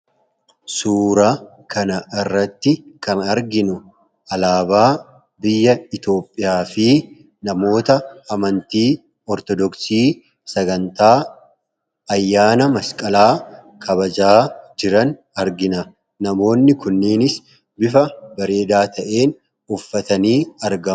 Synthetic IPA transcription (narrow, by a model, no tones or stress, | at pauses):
suːɾa | kʰɐnɐʔɪrːɐt̪ːɪkɐnɐɾɡɪnʊ | ʔɐlaːbaː | bɪjːɐɪt̪o̞ːpʼːɪjaːfɪ | nɐmo̞ːt̪ɐːmɐnt̪iː | ɔɾt̪ɔd̪ɔksiː | sɐɡɐnt̪aː | ɐjːaːnɐmɐskʼɐlaː | kʰɐbɐd͡ʒaːd͡ʒɪɾɐn | ɐɾɡɪnɐ | nɐmo̞ːnːɪkʊnːiːnɪs | bɪfɐbɐɾe̞ːd̪aːt̪ʰɐʔe̞ːn | ʊfːɐt̪ɐniːɐɾɡɐ